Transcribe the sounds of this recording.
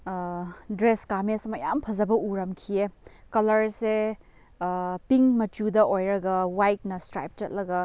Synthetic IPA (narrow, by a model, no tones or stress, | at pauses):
dɾeskamesɐmɐjampʰɐzɐbɐʔuɾɐmkʰiekɐlɐɾse | piŋmɐt͡ʃudɐojɾɐɡɐwajt̚nɐstɾa̰jp̚t͡ʃɐt̚lɐɡɐ